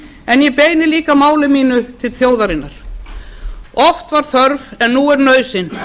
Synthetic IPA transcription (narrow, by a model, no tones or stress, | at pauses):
ɛnjɛpeːjnɪliːkamaːwlɪmiːnʏt̪ʰɪlfjoːwðaɾɪnːaɾ̥ | ɔft̪vaɾ̥θœɾvɛnːuɛɾnœːɥsɪn